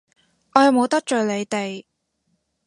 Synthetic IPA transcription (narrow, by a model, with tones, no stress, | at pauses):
ʔɔː˨˧jɐ˨˧wmo˨˧wt̪ɐ˥k̚t͡ʃɵ˨le˨˧jt̪e˨j